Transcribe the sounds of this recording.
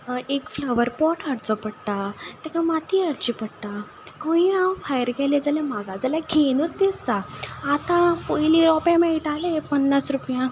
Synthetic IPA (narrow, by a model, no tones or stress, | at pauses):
ekfləʋəɾpɔʈʰaɽt͡sɔpəɽt̪at̪ɛkãmat̪ʰiaɽt͡ɕipəɽt̪a | kõĩãwfʰajəɾɡɛled͡zalɛmaɡad͡zəlaɡʱenut̪̚d̪ist̪aːt̪ãpojliɾɔpjãmɛiʈalepənːasɾupjã